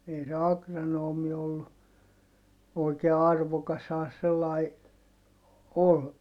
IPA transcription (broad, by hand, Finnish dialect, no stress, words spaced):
ei se ɑkrɑnoːmi olːu oikeː ɑrʋokɑshɑː se selːɑi ol